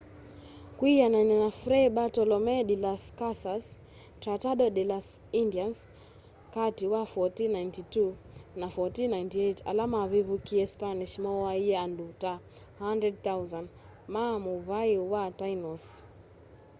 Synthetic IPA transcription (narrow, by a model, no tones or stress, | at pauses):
kwijanajnɛnafɾɛɓatɔlɔmɛɗilaskasas | tɾataɗɔɗilasindians | katiwafɔtinajntitu | nafɔtinajntiɛta̰lamavivukiɛspaniʃmɔwaiɛanduta | handɾɛd̚θawzan | mamuvaiwatajnɔs